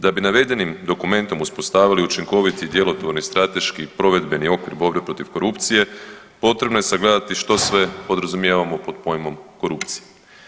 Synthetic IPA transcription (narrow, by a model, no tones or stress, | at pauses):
d̪abinaʋe̞d̪e̞nimd̪o̞kume̞nt̪o̞muspost̪aːʋiliut͡ʃiŋko̞ʋit̪id̪je̞lot̪ʋoɾnist̪ɾat̪e̞ʃkipɾo̞ʋe̞d̪be̞nio̞kʋiɾbo̞bɾepɾo̞t̪iʋko̞ɾupt̪sije̞ | po̞t̪ɾe̞bno̞je̞saɡled̪at̪iʃt̪o̞sʋe̞po̞d̪ɾazumjeʋamo̞po̞d̪po̞jmo̞mko̞ɾupt̪sije